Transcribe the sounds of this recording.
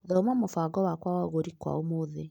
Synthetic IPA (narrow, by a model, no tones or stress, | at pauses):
oðɔomamofaːɡɔwakwawaɣoɾikwa̰omoðe